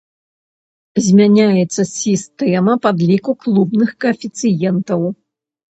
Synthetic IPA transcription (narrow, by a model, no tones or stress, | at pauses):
zʲmʲanʲajɛt̪sːɐsʲist̪ɛmɐpad̪lʲikuklˠubnɨxkɐːfʲit̪sɨjɛnt̪ɐw